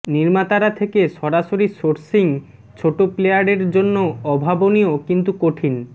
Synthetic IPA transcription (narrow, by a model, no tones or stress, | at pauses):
niɾmat̪aɾat̪ʰekeʃɔɾaʃoɾisoɾsiŋ | t͡ɕʰoʈoplejaɾeɾd͡ʑonːoɔbʱaboniokint̪ukoʈʰin